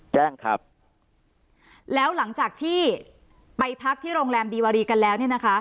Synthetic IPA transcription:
t͡ɕɛː˥˩ŋkʰa̰˦˥p̚ | lɛː˦˥wla˩˦ŋt͡ɕaː˨˩k̚t̪ʰiː˥˩ | pa˧jpʰa˦˥k̚t̪ʰiː˥˩ɾoː˧ŋɾɛː˧mdiː˧waː˧ɾiː˧ka˧nlɛː˦˥wni˥˩na˦kʰa˦˥

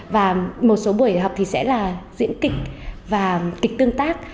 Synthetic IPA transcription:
vaː˨˩mo˨˩t̚so˨˦ɓu˨˧˩əjɦa˨˩wk͡p̚t̪ʰi˨˩sɛ̰˧˥laː˨˩zḭ˧˥ənkï˨˩k̟̚vaː˨˩kï˨˩k̟̚t̪ɨ˧əŋt̪aː˦˥k̚

